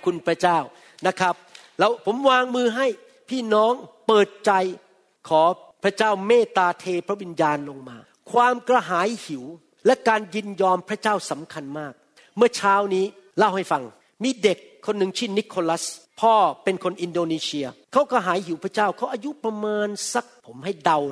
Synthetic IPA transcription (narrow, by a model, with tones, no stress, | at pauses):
kʰu˧npʰɾa˦˥t͡ɕaː˥˩w | na˦˥kʰɾa˦˥p̚ | lɛː˦˥wpʰo˩˦mwaː˧ŋmɯː˧ɦa˥˩j | pʰiː˥˩nɔː˦˥ŋpɤː˨˩t̪̚t͡ɕa˧j | kʰɔː˩˦ | pʰɾa˦˥t͡ɕaː˥˩wmeː˥˩t̪aː˧t̪ʰeː˧pʰɾa˦˥wi˧njaː˧nlo˧ŋmaː˧ | kʰwaː˧mkɾa˧ɦaː˩˦jhi˩˦w | lɛ˦˥kaː˧nji˧njɔː˧mpʰɾa˥t͡ɕaː˥˩wsa˩˦mkʰa˧nmaː˥˩k̚ | mɯ˥˩ɐt͡ɕʰaː˦˥wniː˦˥ | la˥˩wha˥˩jfa˧ŋ | miː˧de˨˩kʰːo˧nːɯ˨˧ŋt͡ɕʰi˥˩nːi˦˥kʰo˧la˦˥spʰɔː˥˩pe˧nkʰo˧nʔi˧ndoː˧niː˧˥si˧ɐkʰa˦˥wka˧ɦaː˩˦jɦi˩˦wpʰɾa˥t͡ɕaː˥˩wkʰa˦˥wʔaː˧ju˦˥pɾa˧maː˧nsa˨˧˩k̚pʰo˩˦mha˥˩jda˧w